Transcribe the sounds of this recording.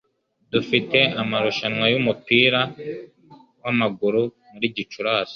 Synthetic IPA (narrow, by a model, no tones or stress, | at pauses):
dufite̞amaɾuʃanwajumupiːɾa | wamaɡuɾu | muɾiːɟit͡ʃuɾaːs